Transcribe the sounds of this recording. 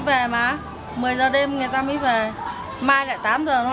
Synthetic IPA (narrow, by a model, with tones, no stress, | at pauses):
ve˨˩maː˨˩ | mɨ˨˩əjzəː˨˩ɗe˧mŋɨ˨˩jt̪aː˧mḭ˧˨˦jve˨˩ | maː˧jla̰ː˧˨jt̪aː˨˦mzəː˨˩nɔ˨˦